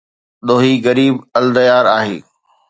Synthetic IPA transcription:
ɗ̪oːɦiɣɐɾiːbɐld̪əjaːɾaːɦḛː

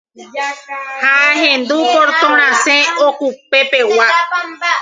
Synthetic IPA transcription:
haɦẽnd̪ukoɾt̪õmɾ̃ãsẽokupepewa

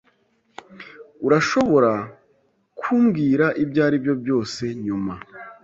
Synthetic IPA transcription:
uɾaʃo̞βo̞ɾa | kʰuːmɡiːɾaʔibɟaːɾibjo̞bjo̞ːse̞ɲuma

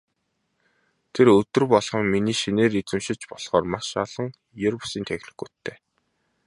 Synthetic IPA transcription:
t̪ʰerɵt̪ɵ̆rpɔɮʁɞ̆ŋminiːʃineːɾit͡sɘ̆mʃɪ̆t͡ɕpɔɮ̥χɔːrmaʃɔɮɞ̆ŋ | jɵɾɔsiːnt̪ʰæxʲɮɘ̆xut̪ʰːeː

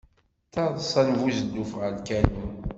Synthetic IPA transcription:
θɑðˤsˤænvuzəd̪ːufʁəlkænu

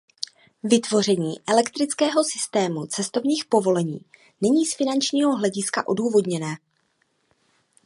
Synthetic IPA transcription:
vɪt̪vo̞r̝ɛɲiːʔɛlɛkt̪ɾɪt͡skɛːɦo̞sɪ̥st̪ɛːmut͡sɛst̪o̞vɲiːxpo̞vo̞lɛɲḭː | nɛɲiːsfɪnant͡ʃɲiːɦo̞ɦlɛɟɪskaʔo̞duːvo̞dɲɛnɛː

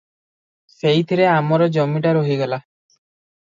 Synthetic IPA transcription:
sejt̪ʰiɾeamɔɾɔd͡ʒɔmiʈaɾoɦiɡela

